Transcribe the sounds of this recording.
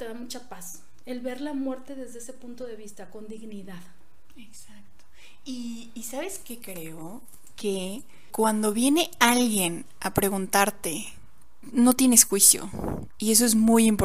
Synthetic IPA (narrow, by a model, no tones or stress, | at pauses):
t̪e̞ðamut͡ʃapas | elβe̞ɾlamwe̞ɾt̪e̞ðe̞zðeesepunt̪o̞ðe̞βist̪ako̞nd̪iɣniðað | eksak̚t̪o̥ | iː | saβe̞ske̞kɾe̞o | kʰe̞ | kwand̪o̞βje̞ne̞alɣje̞n | apɾe̞ɣunt̪aɾt̪e̞ | no̞t̪je̞nesxwisjo̰ | ie̞s̬o̞e̞zmujimpo